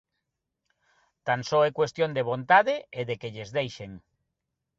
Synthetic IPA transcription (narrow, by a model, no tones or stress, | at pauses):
t̪ansoɛkwest̪jõnd̪eβ̞õnt̪aðeeðekeʎezðejʃeŋ